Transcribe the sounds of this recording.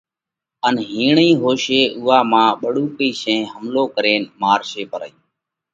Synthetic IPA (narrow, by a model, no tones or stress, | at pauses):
ənɦiːɳĩːɦoːʃeːʔuːaːmãːɓəɽuːkiːʃẽːɦəmloːkəɾeːnmaːɾʃeːpəɾəiː